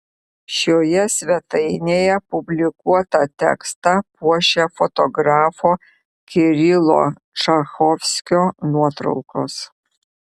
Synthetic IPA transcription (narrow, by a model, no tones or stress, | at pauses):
ʃoːjɛsʲʋʲɛt̪ɐɪnʲeːjɛpʊbʲlʲɪkuɔt̪ɐt̪ʲɛ̰kst̪ɐpuɔʃʲefɔt̪ɔɡɾɑːfoː | kʲɪɾʲɪlˠo̰ | t͡ʃɐxɔːfʲsʲkʲoːnuɔt̪ɾɐ̰ʊkoːs